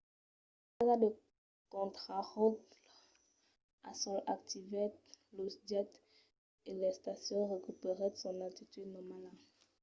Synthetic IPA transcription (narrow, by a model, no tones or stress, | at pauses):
eʁad̪ə | kɔ̃t̪χaʁut̪ | a̰sɔ̃lʔa̰k̚t̪ʰivɛt̪̚losd̪ɛt̪ | elɛst̪asjɔ̃ʁəkypeʁesɔ̃nat̪it̪yd̪nɔmala